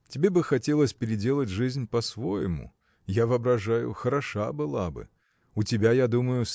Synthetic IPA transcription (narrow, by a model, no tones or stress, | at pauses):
tʲɪbʲebɨxɐtʲe̞lˠəsʲpʲɪɾʲɪdʲe̞lˠətʲʐɨzʲnʲpɐsvojɪmʊ̰ | javɨɐbɾɐʐajʊ̰xəɾɐʂabɨlˠabɨ̰ | ʊtʲɪbʲajad̪uməjʊ